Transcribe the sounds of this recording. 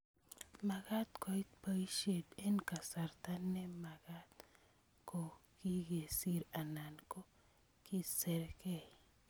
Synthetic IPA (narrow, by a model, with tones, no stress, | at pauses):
ma˨ɡa˦t̪ko˨i˦t̪̚pa˦i˦ʃe˨de˦nka˨sa˨ɾt̪a˦nːe˦ma˨ɡat̪ | ko˨ki˦ɡe˨si˦ɾa˨na˨nko˦ | ki˦se˨ɾke˦˨